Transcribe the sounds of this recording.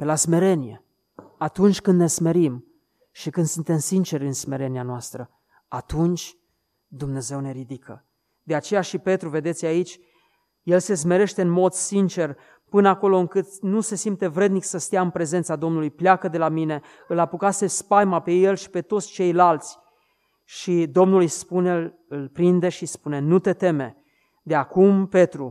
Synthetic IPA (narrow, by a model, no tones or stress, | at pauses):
pe̞lasme̞ɾe̞nije̞̰ | at̪unt͡ʃʲkɨnd̪ne̞sme̞ɾim | ʃikɨnd̪sunt̪e̞msint͡ʃe̞ɾʲɨnsme̞ɾe̞nianoast̪ɾə | at̪unt͡ʃʲ | d̪umne̞ze̞wne̞ɾid̪ikʰə̰ | d̪e̞at͡ʃe̞jaʃipe̞t̪ɾuve̞d̪e̞t̪sʲjait͡ʃʲ | je̞lse̞s̬me̞ɾe̞ʃt̪eɨnmo̞d̪sint͡ʃe̞r | pɨnəako̞lo̞ɨŋkɨt̪nuse̞simt̪e̞vɾe̞d̪niksəst̪ijaɨnpɾe̞ze̞nt̪sad̪o̞mnulujpleakəd̪e̞lamine̞ | ɨlapukase̞spajmape̞je̞lʃi̥pe̞t̪o̞t̪sʲt͡ʃe̞jlalt̪sʲ | ʃid̪o̞mnulujspune | ɨlpɾind̪e̞ʃispune̞nut̪e̞t̪e̞me̞ | d̪eakumpe̞t̪ɾu